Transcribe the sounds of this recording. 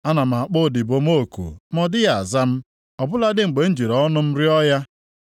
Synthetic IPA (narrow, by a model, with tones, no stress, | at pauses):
a˦na˨m̩˨a˨k͡pʊ˦˨dɪ˨bo˨mo˦˨kṵ˨m˦ɔ˦dɪ˦ja˨a˨za˦m̩˦ | ɔ˨bʊ˦la˦dɪ˦ŋ͡m̩˨ɡ͡be˨n̩˦d͡ʒi˨ɾɔ˨ɔ˦nʊ˦m̩˦ɾɪ˦ɔ˦ja˦